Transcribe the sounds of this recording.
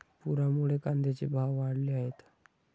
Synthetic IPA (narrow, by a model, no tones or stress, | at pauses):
puɾamuɭekand̪ʱet͡ɕebʱaʋːaɽleaɦet̪